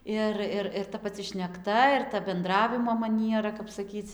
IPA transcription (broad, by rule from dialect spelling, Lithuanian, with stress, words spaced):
ˈɪr ɪr ɪr tɐ pɐˈt͡sʲɪ ʃʲnʲɛkˈtɐ ɪr tɐ bʲɛnˈdrɑːʋʲɪmoː mɐˈnʲiɛrɐ kɐp sɐˈkʲiːt͡s